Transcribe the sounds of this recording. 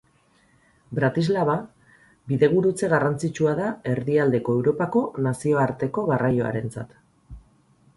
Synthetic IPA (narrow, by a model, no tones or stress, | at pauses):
bɾat̪izlaβa | biðe̞ɣ̞uɾut͡se̞ɣarant͡sit͡ʃuaðae̞ɾðiald̪e̞ko̞e̞wɾo̞pako̞nasio̞aɾt̪e̞ko̞ɣarajo̞a̰ɾe̞nt͡sa̰t̪